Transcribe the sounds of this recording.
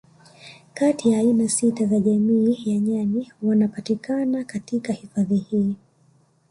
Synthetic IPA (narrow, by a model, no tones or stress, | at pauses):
katijaːinasitazaʄamiːjaɲaniwanapatikanakatikahifaðihiː